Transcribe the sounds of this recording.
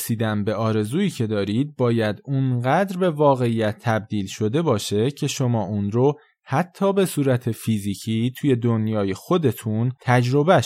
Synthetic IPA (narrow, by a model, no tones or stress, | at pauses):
siːd̪æmbe̞ʔɒːɾe̞zuːiːcʰe̞d̪ɒːɾid̪̚bɒːjæd̪unɢæːd̪ɾbe̞vɒːɣe̞ijæt̪ʰːæb̚d̪iːlʃo̞d̪e̞bɒːʃe̞cʰe̞ʃo̞mɒːʔunɾo | hæt̪ʰːɒːbe̞suːɾæt̪ʰe̞fiːziːcʰiːt̪ʰuːje̞d̪onjɒːje̞xo̞d̪e̞t̪ʰunt̪ʰæd͡ʒɾo̞bæ